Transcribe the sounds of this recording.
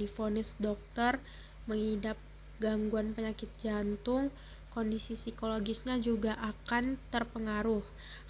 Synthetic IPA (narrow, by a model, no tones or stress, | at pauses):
ifonɪsdɔk̚t̪ər | məŋhidap̚ | ɡaŋɡuanpəɲakɪt̪̚d͡ʒant̪ʊŋ | kondisisikoloɡɪsɲad͡ʒuɡaʔakant̪ərpəŋaɾʊh